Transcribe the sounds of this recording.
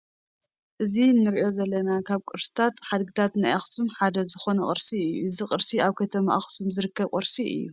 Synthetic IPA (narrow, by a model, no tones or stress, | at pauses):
ʔɨzinɨɾiʔo̞zɐlːɐnakʰaβkʼɨɾsɨ̥t̪ʰat̪ħad̪ɡɨt̪ʰat̪najaxsumħad̪ɐzɨxo̞nɐχʼɨɾsiɨjːuʔɨziqʼɨɾsiaβkʰɐt̪ʰɐma̰ʔaxsumzɨɾɨkːɐβqʼɨɾsiʔɨ̰jːṵ